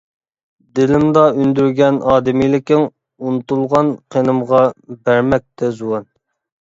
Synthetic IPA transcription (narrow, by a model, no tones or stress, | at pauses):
d̪ɪlɪmd̪ɑynd̪yɾɡʲɛnɑːd̪ɪmijlɪkʲɪŋ | unut̪ulˠʁɑnqʰenɨmʁɑbæɾmɛk̚ʲt̪ʰɛzuwɑn